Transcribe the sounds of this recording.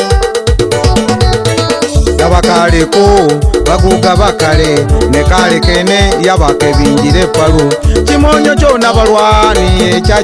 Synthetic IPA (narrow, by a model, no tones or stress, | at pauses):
naβakalekoβakuɡaβakalenekalekenejaβakeβiːɲɟiɾepalut͡ʃimoɲot͡ʃonaβaɾwaːnijet͡ʃa